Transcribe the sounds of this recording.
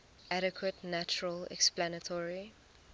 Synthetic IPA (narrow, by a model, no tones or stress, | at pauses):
ʔaɾəkʰwətnat͡ʃuɹəlɛ̰ksplanətʰɔɹi